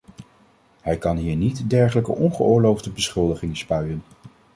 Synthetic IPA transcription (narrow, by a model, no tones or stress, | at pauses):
hɛjkɑnɦiːɹnitdɛɹχələkə̰ʔɔnχə̰ʊːɹlowvdəbəsχʏlˠdəχɪŋspœɥən